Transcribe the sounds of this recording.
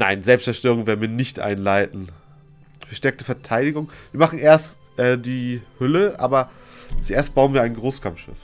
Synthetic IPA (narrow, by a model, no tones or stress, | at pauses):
naɪnzɛlpstt͡sɛɐʃtøːʁ̞ʊŋvɛːɐnviːɐnnɪçtʔa̰ɪnlaɪtn̩ | fɛɐʃtɛɐk̚təfɛɐtʰaɪɾɪɡʊŋviːɐmaχn̩ʔeːɐst | ʔɛːdiːhʏləʔa̰ːbɐt͡suʔeːɐst̚b̥aʊənviːɐaɪnɡʁoːskʰamfʃɪ̰f